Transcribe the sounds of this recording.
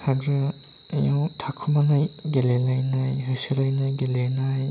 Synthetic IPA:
haɡɾɯjawtʰakʰumanajɡelelajnajɦɯjsɯɾajnajɡelenaj

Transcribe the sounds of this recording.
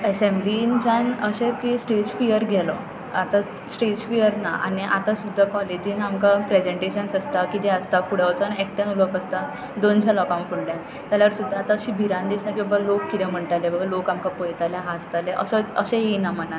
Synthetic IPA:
esemblint͡ɕanəɕẽkisʈed͡ʑfijəɾɡʱɛlɔ̰ | at̪a | sʈed͡ʑfijəɾna̰ʔa̰niʔa̰t̪asud̪ʱːakɔled͡ʑinamkapɾed͡ʑeɳʈeɕənsəst̪akit̪ɛəst̪afuɽaʋt͡sanɛk̚ʈənuləkəst̪a | d̪ont͡ɕʰjalɔkãmfuɽljã | t̪jaljaəɾsud̪ʱːaːt̪aəɕibʱiɾãnd̪isnãkibəɡlokːit̪ɛm̤əɳʈalebəɡəlokamkapojt̪aljaɦast̪aleʔəsəəɕẽjenam̤əna

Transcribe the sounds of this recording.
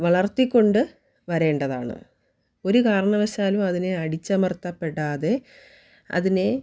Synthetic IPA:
ʋɐɭɐrt̪ikʲːo̞ɳɖɨ | ʋɐɾe̞ːɳɖɐða̰ːɳɨ̰ | o̞ɾukaːɾɐɳɐʋɐɕaːlumɐðine̞ɐɽit͡ɕːɐmɐrt̪ɐpːe̞ɽːaːðe̞ | ɐ̰ðine̞

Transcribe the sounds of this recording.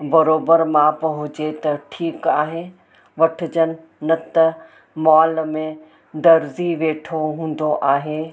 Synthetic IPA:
bɐɾoːbəɾmãpɐɦʊd͡ʑet̪ɐʈʰiːkaːɦe | ʋɐʈʰɪd͡ʑənɪ̆ | nɐt̪ɐ | mɔːlmẽ | ɖɐɾziʋeːʈʰoɦũːn̆d̪oʔaːɦeː

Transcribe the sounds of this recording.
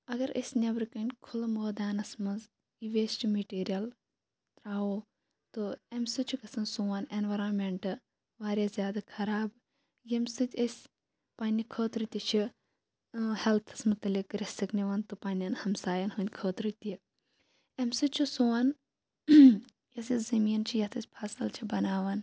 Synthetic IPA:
ɐɡɐɾɐ̰sʲnʲɐbɾɨkɐnʲkʰulmoːd̪aːnɐsmɐz | iʋesʈimeʈiːɾijɐl | t̪ɾaːoː | t̪oemʲsɨt͡ʃʰukɐsɐnsuːɐnenʋɐɾoːnmʲeɳʈɨ | ʋaːɾʲjazʲjaːd̪akʰɐɾaːb | jemsɨt̪ʲɐsʲ | paːnʲikʰəːt̪ɾɨt̪ʲit͡ʃʰi | hɛlt̪ʰɨ̥smʊt̪ɐlikɾesikniʋɐnt̪ɨpaːnʲɐnhɐmsaːjɐnɦunʲkʰəːt̪ɾɨt̪ʲi | emsɨt͡ʃʰisoːɐn | jɐsizɐmiːnt͡ʃʰijɐt̪ʰɐsʲpʰaːsɐlt͡ʃʰibɐnaːʋɐn

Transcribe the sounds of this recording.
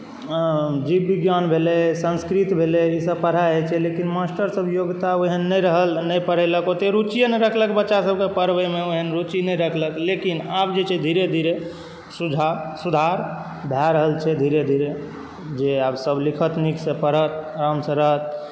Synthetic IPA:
d͡ʒibiɡjanbʱelesə̃nskɾit̪bʱeleisəbpəɽ̤aɦet͡ʃʰɛlekinmasʈəɾsəbʱjoɡt̪aoɦənːəjɾəɦəlnəjpəɽ̤ɛləkot̪eɾut͡ʃijənəɾəkʰləkbətːt͡ʃːasəb̚kepəɾbəmeoɦənɾut͡ʃinəjɾəkʰləklekinap̚d͡ʒet͡ʃʰɛd̪ʱiɾed̪ʱiɾe | sud͡ʒʱasud̪ʱaɾ | bʱjaɾəɦəlt͡ʃʰɛd̪ʱiɾed̪ʱiɾe | d͡ʒeabsəblikʰət̪niksẽpəɽ̤ət̪ɾəmsə̃ɾəɦət̪

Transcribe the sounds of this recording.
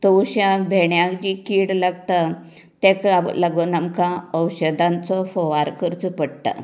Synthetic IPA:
t̪owɕãbʱeɳjãkd͡ʑikiɽlaɡt̪a | t̪ẽkaləɡonamkãəwɕəd̪ãnt͡sɔfɔʋaɾkəɾt͡səpəɽt̪a̰

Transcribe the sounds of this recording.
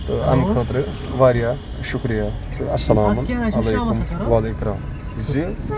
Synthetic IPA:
t̪ɨɐ̰mkʰɐt̪ɾɨ | ʋaːɾjaː | ʃukɾija | t̪ɨɐsːɐlaːmunɐlɐjkumʋalekɾaːm | zi

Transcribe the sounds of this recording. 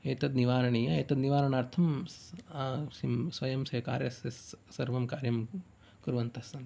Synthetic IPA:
eːt̪ɐd̪niʋaːɾɐɳijɐeːt̪ɐd̪niʋaːɾɐɳaːɾt̪ʰɐmː | simsʋɐjɐmsɐːka̰ːɾjɐsesːɐɾʋɐmkaːɾjɐm | kuɾʋɐnt̪ɐsɐn

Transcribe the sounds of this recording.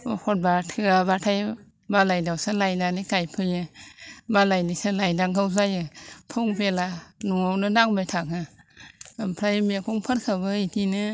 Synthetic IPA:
hɔt̚batʰɯaβatʰaj | balajdawsalajdanikajpʰɯjɯbalajnisɯlajdaŋkʰawzajɯpʰɔŋpʰelanuawnɯdaŋbajtʰakʰa | pʰɾajmiakʰɔŋpʰɯt̚kʰɯbɯitʰinɯ

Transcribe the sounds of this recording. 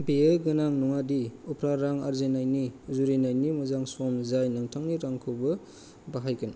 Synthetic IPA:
biejɡɯnaŋnɔŋadiupʰɾaɾaŋa̰ɾzenajniuzuɾinajnimuzaŋsomzajnaŋtʰaŋniɾaŋkʰɯwbɐ | baɦajkʰɯn

